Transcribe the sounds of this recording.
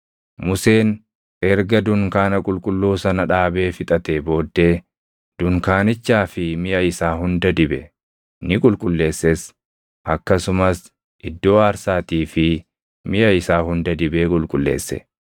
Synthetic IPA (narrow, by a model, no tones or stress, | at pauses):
mʊse̞ːn | ɛɾɡɐd̪ʊŋkaːnɐkʼʊlkʼʊlːuːsɐnɐᶑaːbe̞ːfɪt̪ʼɐt̪ebo̞ːd̪ːe̞ː | d̪̥ʊŋkaːnɪt͡ʃːaːfɪmɪjɐɪsaːɦʊnd̪ɐd̪ɪbɛ | nɪkʼʊlkʼʊlːe̞ːsːes | ʔɐkːɐsʊmɐs | ʔɪd̪ːo̞ːaːɾsaːt̪iːfɪ | mɪjɐɪsaːhʊnd̪ɐd̪ɪbeːkʼʊlkʼʊlːḛːsːɛ̰